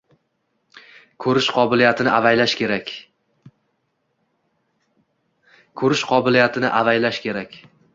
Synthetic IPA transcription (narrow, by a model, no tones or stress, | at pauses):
kʰɵɾɪʃqʰɒbɪlijat̪ʰɪnɪʔavajlaʃkʲe̞ɾakʲ | kʰɵɾɪʃqʰɒbɪlijat̪ʰɪnɪʔavajlaʃkʲʰe̞ɾakʲ